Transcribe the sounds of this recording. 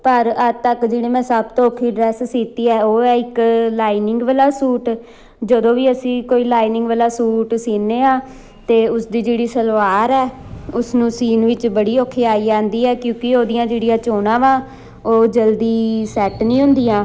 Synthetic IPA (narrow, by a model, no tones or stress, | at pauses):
pəɾət̪əkd͡ʒeːɽiːmɛ̃ːsəbt̪õːkʰːiːɖɾɛːssiːt̪iːɛːoːɛːɪklaːɪnɪ̃ŋɡʋəlaːsuːʈ | d͡ʒəd̪õːʋiːəsĩːkoːiːlaːinɪ̃ŋɡʋəlaːsuːʈsiːnːeːãː | t̪eːʊsd̪iːd͡ʒeːɽiːsəlʋaːɾɛːʊsnũːsiːnʋɪt͡ʃbəɽiːoːkʰːeːaːiːd͡ʒaːnd̪iːɛːkjõːkɪoːd̪ijãːd͡ʒeːɽijãːt͡ʃoːnãːʋãː | oːd͡ʒəld̪iːsɛːʈnĩːɦʊ̃nd̪iːãː